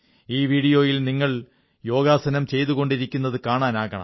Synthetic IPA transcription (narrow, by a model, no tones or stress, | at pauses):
iːʋiːɽijo̞ːjilniŋːɐɭ | jo̞ːɡaːsɐnɐmt͡ɕe̞jt̪uɣo̞ɳɖiɾikʲːunːɐðɨkaːɳaːnaːɣɐɳɐ̰m